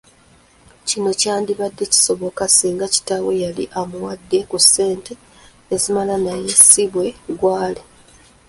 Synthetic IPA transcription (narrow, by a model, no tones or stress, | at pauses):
cino̞caːndiβadːe̞ci̥so̞βo̞kasiːŋɡaci̥tawe̞jalḭʔamuwadːe̞kuse̞ːnte̞ː | zimalanaje̞siβwe̞ɡwaːle